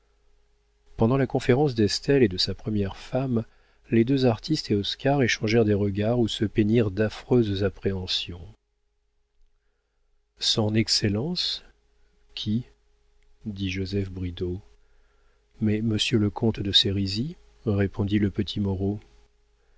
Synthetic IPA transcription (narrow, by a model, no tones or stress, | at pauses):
pɑ̃d̪ɑ̃lakɔ̃feʁɑ̃s̬d̪ɛst̪ɛled̪əsapχəmjɛʁfam | led̪øzaʁt̪ʰist̪eɔskaʁeʃɑ̃ʒɛʁd̪eʁəɡaʁusəpeniʁd̪afχøzzapχeɑ̃sjɔ̃ | sɔ̃nɛkselɑ̃s | kʲʰi | d̪iʒozɛfbʁid̪o | mɛməsjøləkʰɔ̃t̪d̪əseʁizi | ʁepʰɔ̃d̪iləpət̪ʰimɔʁo